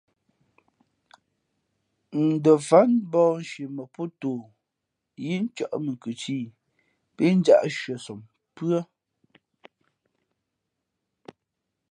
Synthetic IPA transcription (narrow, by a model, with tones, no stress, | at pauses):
n̩˨də˨fa˦nbɔː˦˨n̩˨ʃe˨mə˨pu˦toː˨ | ji˦n˦t͡ʃa̰˨ʔmə˨ŋ˨kɨ˨t͡ʃiː˦˨ | pi˦n̩˦d͡ʒa̰˦ʔʃɥə˨sɔ˨m | pɰə˦